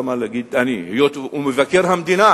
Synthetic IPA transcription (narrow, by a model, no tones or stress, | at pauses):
malaɡidanijot̪umuvakiɾhamd̪ina